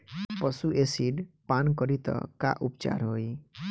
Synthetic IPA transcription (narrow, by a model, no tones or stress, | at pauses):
pʌsuʔesiɖpankʌɾit̪ʌ̰ka̰ʔupt͡ʃa̰ɾɦoj